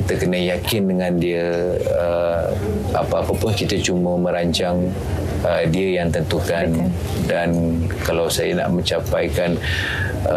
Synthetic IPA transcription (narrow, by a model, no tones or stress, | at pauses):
kit̪əkənəjakɪndəŋãndiə | ə | a̰paapapʊnkit̪ət͡ʃuməmə̃ɾaɲt͡ʃaŋ | ədiəjaŋt̪ənt̪ukan | dan | kalawsajəna̰ʔmə̃ɲt͡ʃapajkan